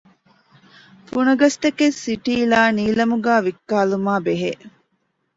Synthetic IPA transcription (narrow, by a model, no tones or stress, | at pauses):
funɐɡɐst̪ɐkesːiʈiːlaːniːlɐmuɡæːʋikːaːlumaːbeɦe